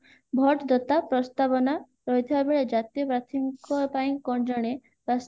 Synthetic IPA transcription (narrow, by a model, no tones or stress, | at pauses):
bʱɔʈd̪ɔt̪apɾɔst̪abɔna | ɾɔɦit̪ʰibabeɭed͡ʒat̪ijɔpɾat̪ʰiŋkɔpaĩkɔɳd͡ʒɔɽ̃e | bas